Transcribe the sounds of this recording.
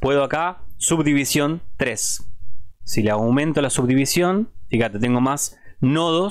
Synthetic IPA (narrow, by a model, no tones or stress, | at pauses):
pwe̞ðoakasuβd̪iβisjo̞nt̪ɾesː | ileawmẽ̞nt̪olasuβðiβisjo̞nfixat̪e̞t̪eŋɡo̞mas | no̞ð̞o